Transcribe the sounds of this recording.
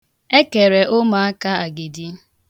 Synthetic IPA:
e˦ke˨ɾe˨ʔʊ˦ma˨a˦ka˦a˨ɡɪ˨di˦

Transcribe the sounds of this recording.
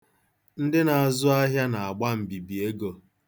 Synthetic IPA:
n̩˦dɪ˦na˨a˨zʊ˦a˦ɦja˦na˨a˨ɡ͡ba˦m̩˨bi˨bi˨e˦ɡo˨

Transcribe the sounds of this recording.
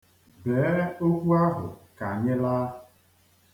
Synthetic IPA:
beː˨˦o˦kʷu˦a˦ɦʊ̰˨ka˨ɲɪ˦la˦˨

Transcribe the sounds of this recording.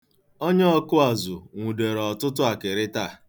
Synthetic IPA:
o˦ɲe˦ɔ˦kʊ˦a˨zʊ˨ŋʷu˨de˨ɾɔ˨tʊ˦tʊ˦a˨kɪ˨ɾɪ˦ta˦˨

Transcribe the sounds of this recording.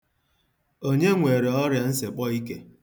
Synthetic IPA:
o˦ɲe˦ŋʷe˨ɾe˨ɔ˦ɾja˨n̩˦se˨k͡pɔ˦i˦ke˦

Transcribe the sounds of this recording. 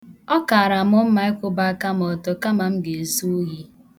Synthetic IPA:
ɔ˦ka˨a˨ɾa˨m˦ɔ˦m̩˦ma˨e˦kʷʊ˦ba˦ka˦mɔ˨tɔ˨ka˦ma˨m̩˦ɡe˨zu˦ɣi˦

